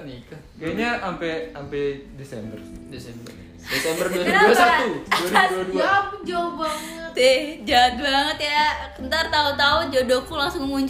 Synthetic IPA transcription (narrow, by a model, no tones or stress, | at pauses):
nika | kaaɲaʔampɛampɛdesɛmbərdesɛmbər | desɛmbərduasuasat̪uaduadud͡ʒabaŋət̪t̪ed͡ʒaat̪̚baŋət̪jakənt̪art̪aut̪aud͡ʒodokulaŋsʊŋmuɲt͡ʃ